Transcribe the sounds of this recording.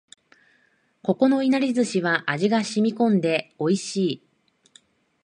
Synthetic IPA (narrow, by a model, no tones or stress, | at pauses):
ko̞ko̞no̞inaɾʲizɨɕiβaʔaʑiɡaɕimʲikõ̞nd̪e̞o̞iɕiː